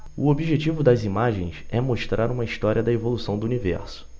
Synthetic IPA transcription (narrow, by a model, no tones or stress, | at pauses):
uobiʒet͡ʃivʊd̪ɐzimaʒḛ̃j̃sɛmoʃt̪ɾʔaɾũmɐiʃt̪ɔɾiɐd̪ɐevolusɐ̃w̃d̪ʊunivɛ̰ɾsʊ̥